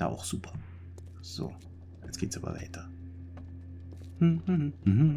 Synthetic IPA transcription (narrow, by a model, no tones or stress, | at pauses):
ʊxz̥uːpʰɐ̥ | z̥o̰ː | asɡ̥eːtsaːbɐ̰va̰ɪtʰɐ | hm̩ːhm̩ɦm̩